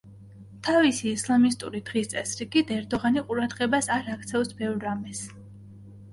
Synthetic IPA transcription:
t̪ʰavisiːslˠamist̪ʼṵɾid̪̥ʁist̪sʼɛsɾiɡit̪ɛɾd̪ɔʁaniqʼuɾad̪ʁɛbasaɾak̚ʰt̪sʰɛfsbɛvɾːamɛs

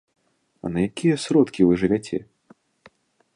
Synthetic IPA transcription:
ɐ̰nɐjakʲijɐsɾɔt̪kʲivɨʐɨvʲat͡sʲɛ̰

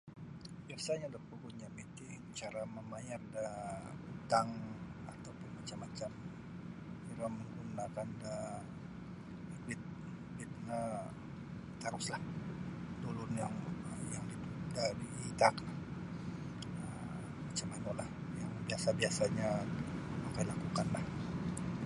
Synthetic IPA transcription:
biasaɲadapəɡuɲamit̪i | t͡ʃaɾaməmajardaut̪aŋat̪awpʊnmat͡ʃamːat͡ʃam | iɾaməŋɡunakanda | likwɪt̪̚ | likwɪt̪̚na | t̪aɾʊslah | dulʊnjaŋəjaŋdit̪udadiit̪akla | ə | mat͡ʃamanolah | jaŋbiasabiasaɲamakajlakukanlah

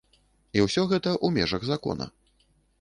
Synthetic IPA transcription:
iwsʲɔɣɛt̪ɐʔumʲɛʐɐɣzakɔ̰nɐ̰

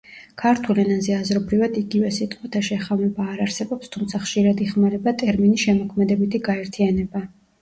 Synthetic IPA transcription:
kʰaɾt̪ʰulɛnanzɛazɾɔbɾivad̪iɡivɛsit̪ʼqʼwɛt̪ʰaʃɛχamɛbaːɾaɾsɛbɔpst̪ʰumt̪sʰaχʃiɾad̪iχmaɾɛbat̪ʼɛɾminisʃɛmɔkʰmɛd̪ɛbit̪ʰiɡaɛɾt̪ʰianɛba

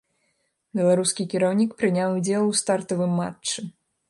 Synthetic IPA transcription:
bʲɛlˠaɾuskʲikʲiɾawnʲikpɾɨnʲawud͡zʲɛlˠwst̪art̪ɐvɨmːa̰t͡ʂt͡ʂːɨ

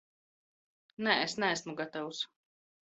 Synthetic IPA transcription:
nɛesnææsmuɡat̪awus

